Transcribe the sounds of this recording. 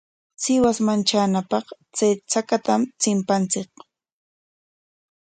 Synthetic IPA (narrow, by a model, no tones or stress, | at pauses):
sɪwasmant͡ʃaːnapɑχt͡sajt͡sakat̪amt͡sɪmpant͡sɪk